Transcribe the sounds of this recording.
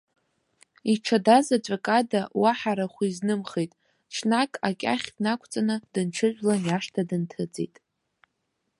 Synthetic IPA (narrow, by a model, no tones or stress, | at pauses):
iʈ͡ʂʰadazat͡ʃʷʼakʼadawaħaɾaχʷiznɨmχejtʼ | t͡ʃʰnakʼakʲʼa̰χʲdnakʷʰt͡sʼanɨd̥ɨnʈ͡ʂʷʰɨʒʷᶣlanjaʂtʰadɨntʰɨd͡zḛjtʼ